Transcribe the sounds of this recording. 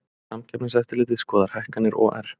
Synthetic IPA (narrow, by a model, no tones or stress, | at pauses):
samcʰɛpnsɛft̪ɪlɪːt̪ɪðskɔːðaɾ̥hajhkanːɪɾʔɔ̰ʔɛ̰ɾ̥